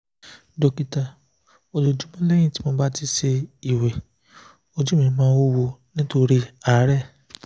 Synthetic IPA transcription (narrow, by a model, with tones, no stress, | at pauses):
do˨ki˨ta˨ | o˨lo˨d͡ʒũ˨˦mɔ̃˦le˦j̃ĩ˦˨ti̥˨˦mɔ̃˧˦ba˦ti˧se˧i˨wɛ˨ | o˧d͡ʒu˦mĩ˨˦mãː˦wo˦wo˧nĩ˦to˧ɾi˦a˨˦ɾɛ˦˨